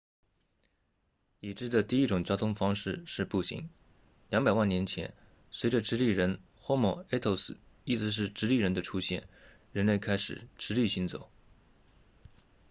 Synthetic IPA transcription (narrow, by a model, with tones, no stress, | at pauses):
i˨˩ʈ͡ʂɻ̩˥˩d̪ə˩t̪i˥˩i˥˩ʈ͡ʂʊ˨˩ŋt͡ɕjɑ˥ʊt̪ʰʊ˥ŋfɑ˥ŋʂɻ̩˥˧ʂɻ̩˥˧pu˥˩ɕḭ˧˥ŋ | ljɑ˧˥ŋpa˨˩ɪwa˥˩njɛ˧˥nt͡ɕʰjɛ̰˧˥n | swe˧˥ɪʈ͡ʂə˧ʈ͡ʂɻ̩˥li˥˩ɻə˧˥nxwɔ˥mɔ˥˩e˥t̪ʰo˥ʊsɹ̩˨˩ | i˥˩ʈ͡ʂɻ̩˧˥ʂ̬ɻ̩˥˩ʈ͡ʂɻ̩˥li˥˩ɻə˧˥nd̪ə˧ʈ͡ʂʰu˥ɕjɛ̰˥˩n | ɻə˧˥nle˥˩ɪkʰa˥ɪʂɻ̩̰˨˩˦ʈ͡ʂɻ̩˧˥li˥˩ɕi˥nt͡so̰˨˩˦ʊ